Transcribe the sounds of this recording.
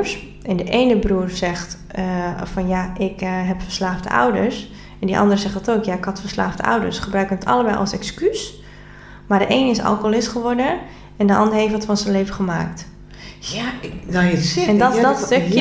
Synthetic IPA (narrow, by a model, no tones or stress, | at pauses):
s | ɛndəʔeːnəbruːrsɛχt | fɔnjaʔɪkɦɛpfəɹslaːftə̰ʔɔ̰wdəɹs | ɛndiʔɑ̰ndərsɛχtdɔtoːkjaɪkhɑtfəɹslaːftə̰ʔɔ̰wdə̰ɹsχəbrœɥkənətɑ̰ləbɛjʔɑ̰lˠsɛkskys | maɹdəʔejnəɪsɑ̰lˠkolɪstχəʋɔɹdə | ɛndəʔɑ̰ndəɹɦejfətfɔnsənleːvəχəma̰ːkt | ɛnddɔstøk